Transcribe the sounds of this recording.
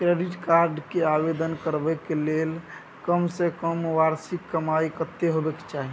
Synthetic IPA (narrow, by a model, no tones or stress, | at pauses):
kɾeɖiʈkaɾɖkeabed̪ənkəɾbɛkelel | kəmsekəmʋaɾsikːəmaikət̪ːeɦobeke̥t͡ʃaɦi